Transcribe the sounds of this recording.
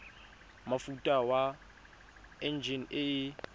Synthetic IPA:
mafutʼawa | ɛnd͡ʒʱinɪ

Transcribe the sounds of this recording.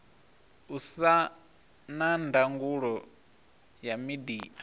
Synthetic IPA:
usa | nandaŋɡuɺɔ | jamidiːʔa

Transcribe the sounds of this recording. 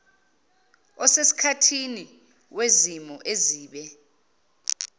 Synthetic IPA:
ɔsesi̥kʰatʰini | wezimɔʔeziːɓɛ

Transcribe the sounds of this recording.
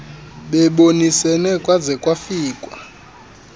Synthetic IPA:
ɓɛɓonisɛnɛkʼwazɛkʼwafiːkʼwa

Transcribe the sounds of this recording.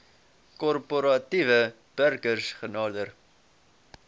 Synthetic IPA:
kɔrpoɾɑtivə | b̥ərkərsχənɑːdər

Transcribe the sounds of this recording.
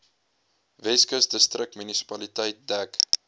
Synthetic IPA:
vɛskəsdəstrək̚tmynisi̥pɐlitəjt̚dæk

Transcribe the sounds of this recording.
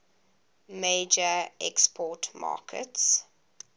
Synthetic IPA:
meːd͡ʒəɛkspʰɔːtmɑ̰ːkʰə̰ts

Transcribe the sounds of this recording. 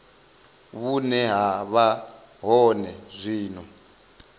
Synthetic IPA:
βunɛɦaβa | ɦɔnɛzʷiːnɔ

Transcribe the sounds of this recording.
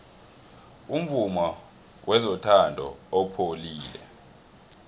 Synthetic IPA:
um̩vumɔ | wʔɛzɔtʰandʱɔ̰ɔpʰoliːlɛ̰

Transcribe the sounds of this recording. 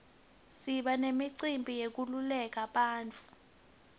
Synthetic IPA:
siɓanemiǀimbʱijek̬ululɛk̬aɓaːnt͡fʰʼu̥

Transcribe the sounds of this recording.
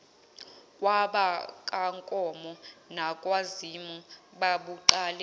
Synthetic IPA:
waɓakʼaŋkʼɔmɔnakʼwazimuɓaɓuǃaːlɛ

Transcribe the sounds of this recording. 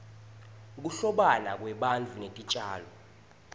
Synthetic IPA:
k̬uɬɔɓanak̬ʼwɛɓand͡ɮʱunetʼit͡ʃʼaːlɔ

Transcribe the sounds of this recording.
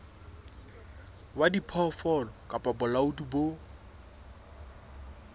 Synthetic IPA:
wadipʰɔfɔlɔkʼapʼabʊlaʊtʼubo

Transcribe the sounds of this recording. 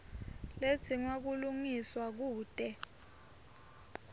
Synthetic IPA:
le̥t͡sʰiŋwak̬uluŋiswak̬uːtʼɛ

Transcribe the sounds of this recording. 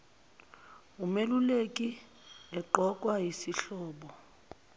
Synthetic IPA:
umelulekʼi | ɛǃɔkʼwajisiɬɔːɓɔ

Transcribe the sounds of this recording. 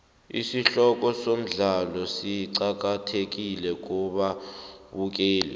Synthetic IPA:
ḭsiɬɔk̬ʼɔsom̩ɮalɔsiǀak̬atʰek̬ʼilɛk̬ʼuɓaɓuk̬eːlɛ̰

